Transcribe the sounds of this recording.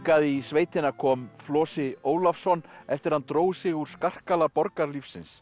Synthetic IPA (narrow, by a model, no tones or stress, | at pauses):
kaðɪisveːjt̪ɪnakʰɔːmflɔːsɪoːwlafsɔnːɛft̪ɪɾ̥hant̪ɾoːwsɪɣuɾ̥skar̥kalapɔɾkaɾlifsɪ̰ns